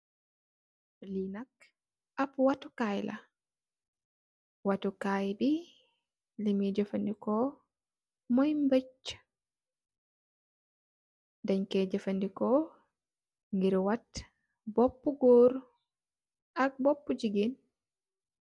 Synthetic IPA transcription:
linak | ʔapwatukajla̰ | watukajbi | limid͡ʒafandikɔ | mɔjmbet͡ʃː | daɲkɛd͡ʒɛfandikɔ | ŋɡiɾwat | bɔpːuɡoɾ | ʔak̚bɔpːud͡ʒiɡin

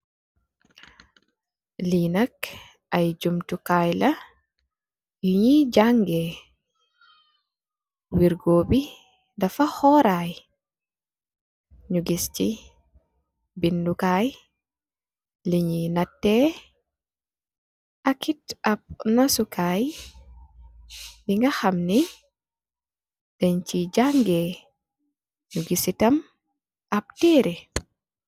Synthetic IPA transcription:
linak | ʔajd͡ʒumtukajla | juɲid͡ʒaŋɡɛ | wiɾɡoːbi | dafahɔɾaj | ɲuɡist͡ʃi | bindukaj | liɲinatːɛ | ʔakitɐp̚nɔsukʰaːj | liŋɡɐxɐmni | dɛɲt͡ʃid͡ʒaŋɡɛ | ɲuɡisitɐm | ʔɐp̚tɛːɾi

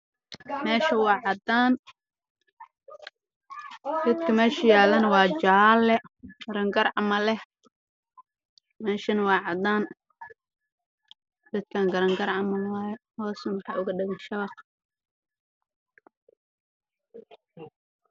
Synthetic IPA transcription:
mɛːʃɐwɑːʕɑd̪aːn | d̪̥ɐd̪kʰɐmɛːʃɐjaːlɐnɐwɑːd͡ʒaːlːɛɡɐɾɐŋɡɐrʕɑmɐlɛh | mɛːʃɐnɐwɑːʕɑd̪aːn | d̪̥ɐd̪̚kʰaːŋɡɐɾɐŋɡɐɾʕɑmɐnwɑːjɛhɔːsɐnwɑħɑ̰ːʔʊɣɐɗɪɣɐnʃɐβɑq

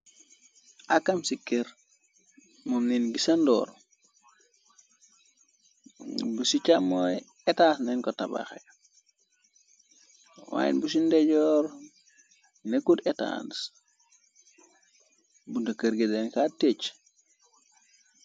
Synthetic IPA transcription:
ʔakamsikeɾ | momninɡisandɔ̰ːɾ | busit͡ʃamoj | ɛtaːsnɛnkɔtaba̰xḛ | wa̰jḭnbus̬indɛɟɔːɾ | nekudeta̰ns | bundɐkɐɾɡedenkatːet͡ʃ

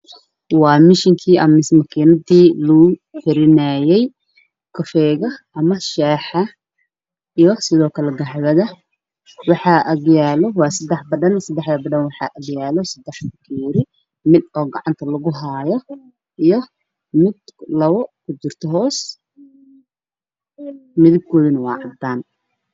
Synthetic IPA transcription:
wɑːmɪʃɪŋkʰiːʔɐmɪsmɐkʰinɐdiːlʊʊħɪɾɪnɐːjɛj | kʰɔfɛːɣɐʔɐmɐʃɛːħɑ | ijɔsɪðɔːkʰɐlɛɡɐħβɐðɐ | wɑħɑːʔɐɣjaːlɔwɑːsɐd̪ɛħbɐɖɐnsɐd̪ɛħd̪ɐbɐɖɐnwɑħɑ̰ːʔɐɣjaːlɔsɐd̪ɛħʊkʰiːɾɪ | mɪd̪ɔːɡɐʕɑnt̪ʰɐlɐɣʊɦaːjɔ | ʔijɔ | mɪd̪̥lɐβɔkʰʊd͡ʒɪrt̪ʰɐɦɔːs | mɪðɪb̚kʰɔːðɐnɐwɑ̰ːʕɑd̪aːn

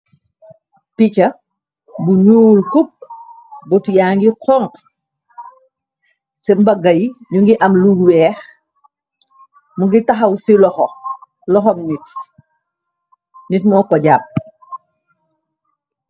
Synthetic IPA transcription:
picɐ | buɲuːlkup̚ | bɔtjaːŋɡiqʰɔŋ | sɛmbɐɡɐjɲuŋɡiʔɐmluɡwɛːx | muŋɡitɐxɐwsilɔxɔ | lɔxɔmnit | nitmɔːkɔɟaːp̚

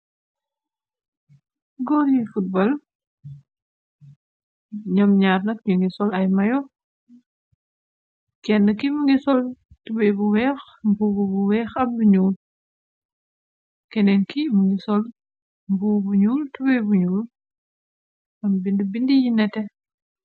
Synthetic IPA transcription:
ɡɔɾifut̚bɔl | ɲɐmɲaːɾnɐt̚ɲuŋɡisɔlɐjmɐjɔ | kɛnːəkimuŋɡisɔl | tubɛjbuwɛːx | mbuɡubuwɛːxɐmbuɲuːl | kɛndɛnkimuŋɡisɔl | mbubuɲuːltubɐjbuɲuːl | ɐmbindibindijinɛtɛ

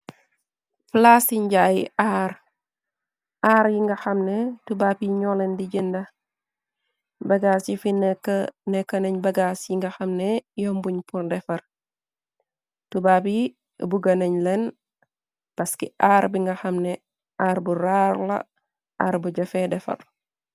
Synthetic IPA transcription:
flasiɲɟajiaɾ | ʔaːɾjiŋɡɐxɐmnɛtubapiɲɔlɛndiɟindɐ | bɐɡaːsjifinɛkːənɛkːɐnɐɲbɐɡasjiŋɡɐxɐmnɛjɔmbuɲpuɾdɛfɐɾ | tubaːpi | buɡɐnɐɲlɛn | pɐskiʔaɾbiŋɡɐxɐmnɛ | ʔaːɾbuɾaɾlɐ̰ | ʔaːɾbuɟɐfɛdɛfɐ̰r

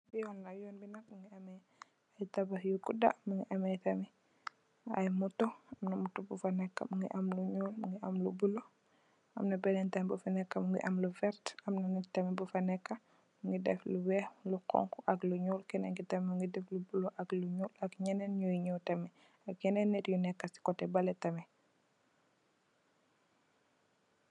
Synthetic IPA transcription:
bijɔnlajɔːnbinɐk̚muŋɡiɐmɛj | ajtabajukuda̰muŋɡiʔɐmɛjtɐmi | a̰jmutːɔamnɐmutːɔbufanɛkːa̰muŋɡiʔamluɲuːlmuŋɡiʔamlubulo | ʔamnɐbɛnɛntɐmbufanɛkːamuŋɡḭʔamluvɛɾtamnanitɐmibufɐnɛkːa | muŋɡidɛfluwɛluqɔ̰ŋkuʔɐɡluɲuːlkɛnɛŋɡitɐmuŋɡidɛflubuloʔaɡluɲuːlakɲɛnɛnɲujɲuwtɐmɛ | ak̚kɛnɛnːɛɾjunɛkːasi̥kɔtɛbɐlɛtɐmɛ

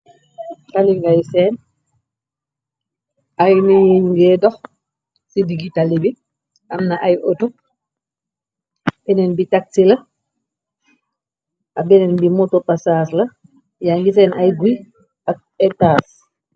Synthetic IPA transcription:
taliŋɡajsɛːn | ʔajniŋɡɛːdɔx | sidiɡitalibi | ʔamnaʔajʔotu | bɛnɛnbitak̚silɐ | ʔabɛnɛnbimutɔpasaːslɐ | jaŋɡis̬ɛːnʔajɡuj | a | ɛtaːs

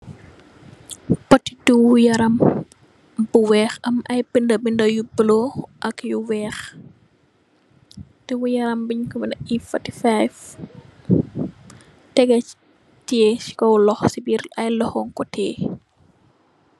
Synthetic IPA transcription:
pɔti̥tuwujɐɾɐm | buwɛːxɐmʔɐjbindɐbindɐjubəlɔʔɐkjuwɛːx | tiwujɐɾɐmbiɲkɔbinɐifɐtifajf | tɛɡɐ | tiesi̥kɔwlɔxsibiɾɐjlɔxɔŋkɔtʰɛː

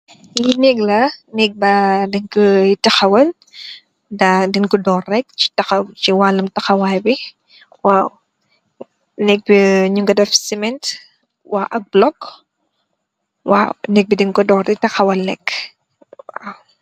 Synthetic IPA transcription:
jinɛɡlɐnɛk̚bɐdinkutɐxɐwɐl | dɐdinkudɔːrːɛk̚t͡ʃi̥tɐxɐt͡ʃiwalɐmtɐxɐwaːjbi | waːw | nɛk̚biɲuŋɡɐdɐfsimɛnt | waːʔɐk̚blɔk | wa̰wnɛk̚bidiŋkudɔːrditɐxɐwɐlnɛk | wa̰w

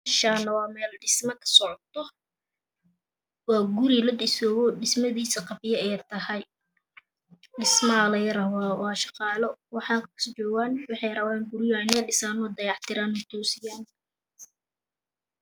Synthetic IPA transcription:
ʃaːnɐwɑːmɛːlɖɪsmɐkʰɐ̥sɔʕɔt̪ʰɔ | wɑːɡʊɾɪlɐdɪsɔːɣɔːɖɪsmɐðiːsɐqɑbɪjɐɛjt̪ʰɐhɐj | ɖɪsmɐlɐjɐɾɐwwɑːʃɑqɑːlɔwɑħɑːŋkʰkʊ̥st͡ʃɔːɣaːnwɑħɑjrɐwaːŋɡʊɾɪjanɐɖɪsaːnɔːd̪ɐjɑħt̪ʰɪɾaːnʊt̪ʰɔːsɪjaːn

